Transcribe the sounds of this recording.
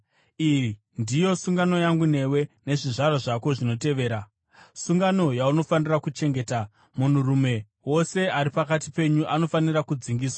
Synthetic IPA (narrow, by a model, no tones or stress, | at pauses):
iri | ndijo̞suŋɡano̞jaŋɡune̞we̞ne̞ʐiʐaɾoʐako̞ʐino̞te̞ʋe̞ːɾa | suŋɡano̞jauno̞fanirakut͡ʃe̞ŋɡe̞ːta | mun̤urume̞ | wo̞se̞aɾipakatipe̞ɲuʔano̞fanirakud͡ziŋɡiːswa